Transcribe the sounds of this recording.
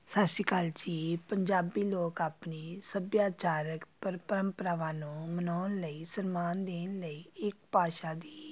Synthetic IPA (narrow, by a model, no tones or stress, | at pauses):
səʃiːkald͡ʒiːpəɲd͡ʒaːbiːloːkaːpniːsəbjaːt͡ʃaːɾəkpəɾpəɾəmpəɾaːʋaːnũːmənaːnləiːsənmaːnd̪eːnləiːɪk̚paːʃaːd̪iː